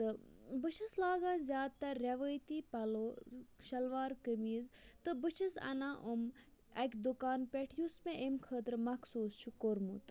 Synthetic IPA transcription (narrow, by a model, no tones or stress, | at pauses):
t̪ɨbɨt͡ʃʰɨslaːɡãːnzʲjaːd̪̚t̪ɐɾːɐʋəjt̪iːpɐloʃɐlʋaːɾkəmiːzt̪ɨbɨt͡ʃʰɨsɐ̰naːʔum | ɐkʲd̪ukaːnpeʈʰjusmẽʔemkʰəːt̪ɾɨmɐkʰsuːzt͡ʃʰukoɾmṵt̪